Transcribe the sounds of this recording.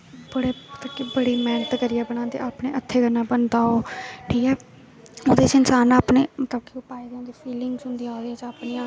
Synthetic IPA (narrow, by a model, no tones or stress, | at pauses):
bəɽeːt̪əkːibəɽiːmɛːnət̪kəɾɪjaːbəɽ̃ãːnt̪ḛaːpnḛːʔət̪ʰːeːɡənːãːbənd̪aːoːʈʰiːkɛː | oːd̪eːt͡ʃɪnsaːnaːpneːmət̪əb̚kiopaːid̪ẽːd̪iːfiːlɪŋɡsɦʊ̃nd̪iːaːoːd̪eːt͡ʃaːpniːãː